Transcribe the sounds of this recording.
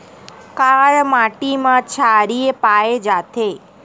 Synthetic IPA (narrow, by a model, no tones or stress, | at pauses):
kaɭmaʈimãt͡ʃʰaɾiepaed͡ʒat̪ʰe